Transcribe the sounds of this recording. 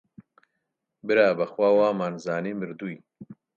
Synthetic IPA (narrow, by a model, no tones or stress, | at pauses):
bɨɾaːbɐxwaːwaːmaːnzaːniːmɨɾd̪uːj